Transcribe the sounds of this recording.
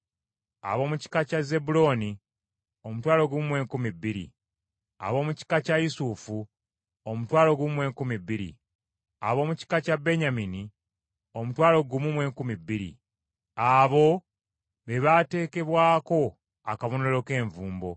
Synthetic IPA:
a̰βo̞ːmuci̥kacaze̞bulo̞ni | o̞mutwaːlo̞ɡumwe̞ːŋkumibːiɾḭ | a̰βo̞ːmuci̥kacajusufu | omutwaːlo̞ɡumwe̞ːŋkumibːiɾḭ | a̰βo̞ːmuci̥kacabe̞ɲamini | o̞mutwaːlo̞ɡumumw̞ːŋkumiːiɾḭ | aβo̞ | βe̞βate̞ːke̞βwaːko̞ | akaβonelo̞ke̞ːɱvuːmbo̞

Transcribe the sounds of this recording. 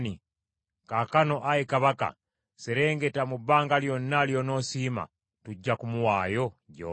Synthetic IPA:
ni | kakano̞ʔajekaβaka̰ | seɾe̞ːŋɡetamubːaːŋɡaljonːaljono̞sima̰ | tuɟːakumuwaːjo̞ɟo̰

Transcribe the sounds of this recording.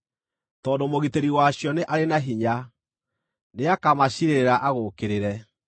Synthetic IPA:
tɔːndomoɣiteɾiwaɕjɔneʔaɾenaɦiɲa | neakamaɕiɾeɾeɾaʔaɣokeɾeɾɛ

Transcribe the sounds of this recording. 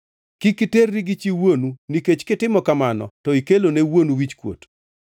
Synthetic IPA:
kikɪterːiɡɪt͡ʃiwonuniket͡ʃkɪtɪmɔkamanɔ̰tɔikelonewonuwit͡ʃkwo̰t

